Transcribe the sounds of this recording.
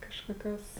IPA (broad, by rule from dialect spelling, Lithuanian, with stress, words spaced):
kɐʃkoːˈkʲoːs